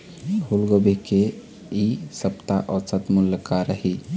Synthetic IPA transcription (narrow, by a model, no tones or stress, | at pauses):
ulɡobʱeke | isəpt̪aʔɔɾsət̪muljəkaɾəɦi